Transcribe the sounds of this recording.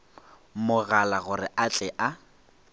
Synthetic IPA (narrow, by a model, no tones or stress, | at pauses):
mʊɣalaɣʊrɪʔat͡ɬʼɛʔa